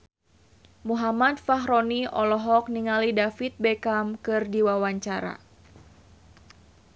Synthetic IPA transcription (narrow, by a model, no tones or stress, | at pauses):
muɦamat̪̚faɦɾɔniɔlɔɦɔk̚niŋalidafit̪̚bekamkɨrdiwawaɲt͡ʃaɾa̰